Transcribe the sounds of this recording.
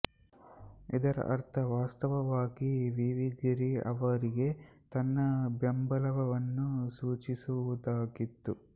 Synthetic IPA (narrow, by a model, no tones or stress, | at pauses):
ḭd̪ɐɾɐ̰ʔɐ̰ɾt̪ʰɐʋaːst̪ɐʋɐʋaːɡiʋiʋiɡiɾiɐ̰ʋɐɾiɡe̞t̪ɐnːɐbjɐmbɐlɐʋɐʋɐnːusuːt͡ʃisuud̪aːɡit̪ːu